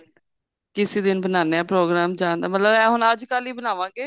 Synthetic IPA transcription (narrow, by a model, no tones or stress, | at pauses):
kɪsiːd̪ɪnbənaːneaːpɾoːɡɾaːmd͡ʒãːnd̪aːmət̪ləbɛ̃ːɦʊnəd͡ʒkaːliːbənaːʋãːŋɡeː